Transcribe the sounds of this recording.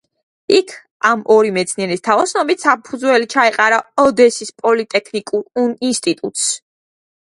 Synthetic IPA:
ikʰ | amʔɔɾimɛt̪sʰniɛɾist̪ʰavɔsnɔbit̪sapʰud̪zwɛlit͡ʃʰaɛqʼaɾaɔd̪ɛsispʼɔlit̪ʼɛkʰnikʼuɾinst̪ʼit̪ʼut̪ʼs

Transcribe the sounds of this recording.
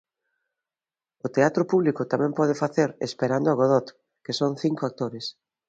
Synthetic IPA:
ʊt̪eat̪ɾʊpuβlikʊt̪amɛ̃mpɔð̞ɪfaθeɾḛspeɾand̪oaɣoð̞ɔt̪ | kesoŋθiŋkoak̚t̪oɾes

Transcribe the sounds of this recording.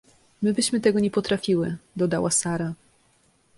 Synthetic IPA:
mɘbɘɕmɘt̪ɛɡɔɲɛpɔt̪ɾafʲiwɘd̪ɔd̪awasaɾa

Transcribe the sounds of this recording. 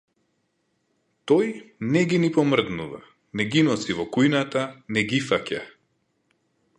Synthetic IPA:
t̪ɔjnɛɡinipɔmr̩d̪nuva̰ | nɛɡinɔsivɔkujnat̪anɛɡifaca

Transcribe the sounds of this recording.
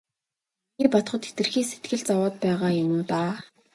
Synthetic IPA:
iːpat̪χɞ̆t̪xet̪ɘ̆rxiːŋset̪ɡɘ̆ɮt͡sawaːt̪̚pæːʁaːjʊmʊːt̪aː

